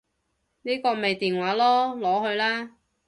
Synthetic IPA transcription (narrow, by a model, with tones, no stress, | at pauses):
niː˥kɔː˧me˨jt̪iː˨nwaː˨˥lɔː˥lɔː˨˥hɵ˧ɥlaː˥